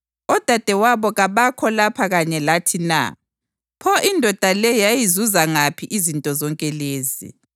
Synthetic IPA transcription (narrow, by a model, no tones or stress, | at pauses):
ɔd̥ʱad̥ʱɛwaβɔɣaβakʰɔlapʰaɣaɲɛlatʰina̰ | pʰɔʔindʱɔd̥ʱalɛjajizuzaŋapʰiʔizintʼɔzɔŋkʼɛleːzḭ